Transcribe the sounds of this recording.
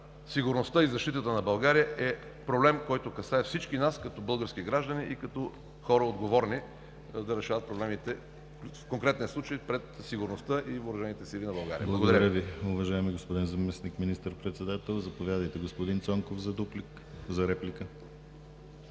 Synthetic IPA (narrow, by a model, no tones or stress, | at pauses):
siɡʊɾnost̪əizɐʃt̪it̪ət̪ənɐbɐlˠɡaɾijəʔɛ | pɾoblɛmkɔjt̪okɐsaɛfsit͡ʃkinaskɐt̪ɔbɤlˠɡəɾskiɡɾaʒd̪əniʔikɐt̪ɔ | xɔɾəod̪ɡovɔɾni | d̪ɐɾɛʃavɐt̪̚pɾoblɛmit̪ɛ | fkoŋkɾɛt̪nʲiəslˠut͡ʃəjpɾɛt̪siɡʊɾnost̪əʔioɾɐʒɛnit̪ɛsilˠinɐbɐlˠɡa̰ɾḭə̰blˠɐɡod̪ɾɾəviʊvɐʒaɛmiɡospod̪inzɐmɛsnikminist̪əɾpɾɛt̪sɛd̪at̪ɛlˠzɐpovʲjad̪əjt̪ɛɡospod̪int̪sɔŋkofzɐd̪uplik | zɐɾɛplikə